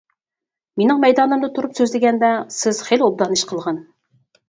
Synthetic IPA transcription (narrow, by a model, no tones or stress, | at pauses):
menɪŋmɛjd̪ɑnɨmd̪ɨt̪ʰuɾupsøzlɪɡʲɛnd̪ɛsɪz̥χelob̚d̪ɑniʃqʰəlˠʁɑn